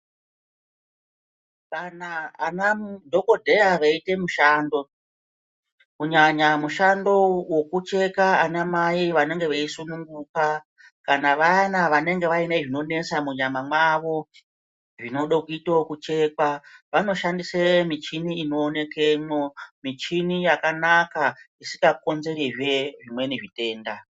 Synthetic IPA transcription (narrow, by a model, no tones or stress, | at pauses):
ʋanaanamdʱo̞ko̞dʱe̞aʋaite̞muʃaːndo̞ | kuɲaɲamuʃando̞wo̞kut͡ʃe̞kaanamaiʋane̞ŋɡe̞ʋeisunuŋɡuka | kanaʋanaʋane̞ŋɡe̞ʋainaʐino̞ne̞samuɲamamwaʋo̞ | ʐino̞ɗokuitokut͡ʃe̞kwaʋano̞ʃandisemit͡ʃiniːno̞ːne̞keɲomit͡ʃinijakanakaisi̥ŋɡako̞nze̞ɾiʐeʐimwe̞niʐite̞ːnda